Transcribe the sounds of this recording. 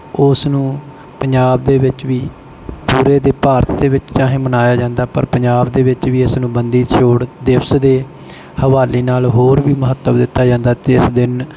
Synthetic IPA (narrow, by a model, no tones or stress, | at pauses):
ʊsnũː | pəɲd͡ʒaːbd̪eːʋɪt͡ʃʋiː | puːɾeːd̪eːpaːɾət̪d̪eːʋɪt͡ʃt͡ʃãːɦẽːmənaːjaːd͡ʒãːnd̪aːpə̰ɾpəɲd͡ʒaːbd̪eːʋɪt͡ʃʋiːɪsnũːbənd̪iːt͡ʃʰoːɽd̪ɪʋsd̪eː | həʋaːliːnaːlɦoːɾʋiːməɦət̪ːəʋd̪ɪt̪ːaːd͡ʒãːnd̪aːt̪eeɪsd̪ɪn